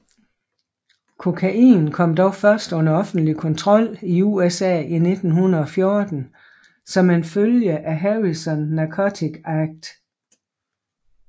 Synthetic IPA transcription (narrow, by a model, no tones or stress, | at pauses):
kʰo̝kʰæʔḭːnkʰɒ̽m̰d̥ɒʊfɶɐsd̥ɔ̽nɐɒ̽fn̩d̥likʰɒ̽nt͡sʰʁɒ̽l̰iuːesɛ̰ːine̝d̥n̩hunɐð̩ˠɒ̽fjo̝ɐd̥n̩ | sɒ̽menføljəʔæɦeʁisɒ̽nːɑkʰɒt͡sʰiɡ̥ɑɡ̥̚d̥